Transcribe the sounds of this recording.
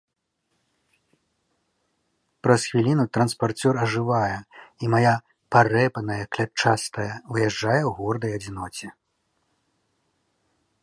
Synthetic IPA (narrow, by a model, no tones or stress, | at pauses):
pɾɐsxvʲilʲinut̪ɾɐnspart͡sʲɔrɐʐɨvajɛimaja | parɛpɐnɐjɐklʲat͡ʂast̪ɐjɐvɨjɛʐd͡ʐajɛwɣɔrd̪ɐjɐd͡zʲinɔt͡sʲɛ